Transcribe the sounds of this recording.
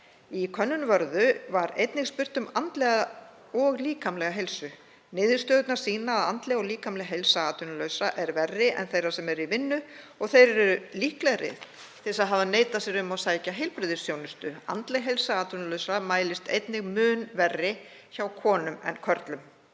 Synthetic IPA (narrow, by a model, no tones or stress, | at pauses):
ikʰœnːʏnvœɾðʏvaɾejt̪nɪɣspʏr̥t̪ʏmant̪lɛɣa | ɔɣliːkʰamlɛɣaɦejlsʏ | nɪːðɪst̪œːðʏt̪naɾ̥siːnaːðant̪lɛɣɔɣliːkamlɛɣɦejlsaaːt̪ʏnlœɥsaʔɛɾvɛrːɪʔɛ̰nθejrasɛmɛɾivɪnːʏɔɣθejɾɛɾɛɾʏlihklɛɾɪ̰ð | θɪsaðɦavðaneːjt̪asɛɾʏmawsaːjcaɦejlpɾɪðɪsːjownʏst̪ʏa̰nt̪leɣɦejlsaaːt̪ʏnlœɥsamaːjlɪst̪ejt̪nɪɣmʏːnvɛrːɪ | çawkʰɔːnʏmɛ̰nkʰœɾt̪lʏm